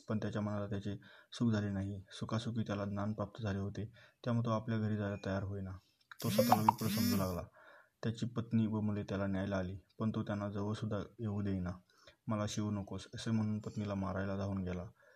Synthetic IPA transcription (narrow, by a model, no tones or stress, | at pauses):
pəɳt̪jat͡ɕjam̤əɳalat̪jat͡ɕesukd͡zʱalenaɦisukasukiːt̪jalad̪nanpɾap̚t̪əd͡zʱaleɦot̪et̪jam̤ət̪oapljaɡʱəɾiːd͡zajjat̪əjaɾɦojna | t̪osət̪alaʋipɾəsəŋɡ̪əlaɡlat̪jat͡ɕiːpət̪niːʋəmulet̪jalanjajlaːliːpəɳt̪ot̪janːad͡zəʋəɭsud̪ʱːaeʋud̪ejna | məlaɕiunəkosəsem̤əɽ̃uːnpət̪nilamaɾajlad̪ʱauːnɡela